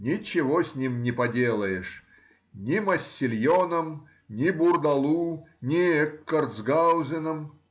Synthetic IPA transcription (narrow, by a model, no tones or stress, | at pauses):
nʲɪt͡ɕɪvosʲnʲimnʲɪpɐdʲelˠəjɪʂ | nʲɪmɐsʲːɪlʲjonəm | nʲɪbʊrd̪ɐlˠunʲɪɛkːɐrt̪zɡawzʲɪnəm